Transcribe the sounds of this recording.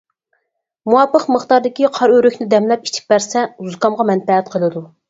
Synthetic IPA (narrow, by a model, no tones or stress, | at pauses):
muɑpəqməχt̪ɑɾd̪ɪkʲiqʰɑɾøɾykʲnɪd̪ɛmlɛp̚i̥t͡ʃʰi̥p̚bæɾsɛuzkɑmʁɑmɛnp̪ɛɦɛt̪̚qʰəlˠɨd̪u